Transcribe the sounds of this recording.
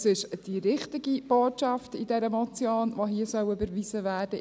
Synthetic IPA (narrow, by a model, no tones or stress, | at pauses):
sɪʃd̥iɾɪχtɪɡib̥oːtʃɑftidɛɾəmɔt͡sjoːnʋoɦiːəsœʊybəɾʋizəʋæːd̥ə